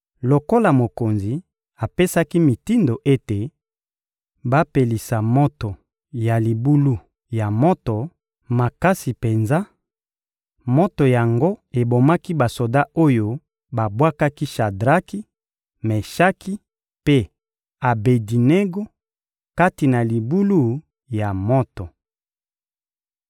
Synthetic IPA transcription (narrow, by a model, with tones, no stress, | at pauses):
lo˨ko˦la˨mo˨ko˨nzi˨ | a˨pe˦sa˦ki˦mi˨ti˦ndo˨ʔe˦te˨ | ba˦pe˨li˨sa˨mo˦to˨ | ja˨li˨bu˦lu˦ | ja˨mo˦to˨ | ma˨ka˦si˨pe˨nza˦ | mo˦to˨ja˨ŋɡo˦e˨bo˨ma˦ki˦ba˨so˨da˦o˦jo˦ | ba˨bwa˦ka˦ki˦ʃa˨dʁa˦ki˦ | mɛ˨ʃa˦kʰi˦ | pe˦ | a˨be˨di˨ne˦ɡo˦ | ka˦ti˨na˨li˨bu˦lu˦ | ja˨mɔ˦tɔ˨